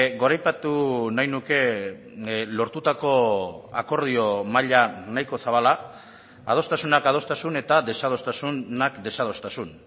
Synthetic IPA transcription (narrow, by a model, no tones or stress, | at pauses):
ɡo̞ɾajpat̪unajnuke̞ | lo̞ɾt̪ut̪ako̞a̰ko̞ɾð̞io̞maʎanajko̞saβala | að̞o̞st̪asunakað̞o̞st̪asune̞t̪aðe̞sað̞o̞st̪asunnakd̪e̞sað̞o̞st̪asun